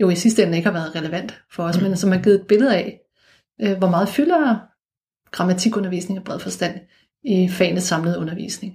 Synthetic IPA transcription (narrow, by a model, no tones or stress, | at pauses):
jo̝̰isisd̥əen̩e̝ɡ̥hɑ̈ʋæːɐðˠʁɛləʋæn̰d̥fɒ̽ɒ̽smensɒ̽mhɑ̈ɡ̥iðˠed̚b̥e̝lð̞̩ˠɛ | øʋɒmɑ̈ːð̞̩ˠfylɐ | ɡ̥ʁɑ̈mæt͡sʰiɡ̥ɔ̽nɐʋḭːsne̝ŋɒb̥ʁɛð̰ˠfɒ̽sd̥æn̰ | ifɛ̰ɪnəsːɑ̈mləðˠɔ̽nɐʋḭːsne̝ŋ